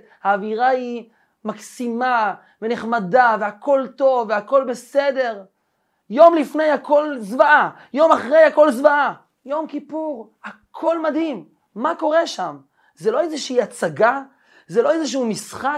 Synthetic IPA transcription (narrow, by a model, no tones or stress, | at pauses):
haːviʁai | maksima | vene̞χmadaveako̞lto̞vːeako̞lbe̞se̞de̞ʁ | jo̞mlifne̞jhako̞lzvaa | jo̞maχʁe̞jako̞lzvaa | jo̞mkipuʁhakʰo̞lmad̪himː | ako̞ʁeʃam | zelo̞ezeʃiiat͡saɡa | zelo̞ezeʃ̬uumisχa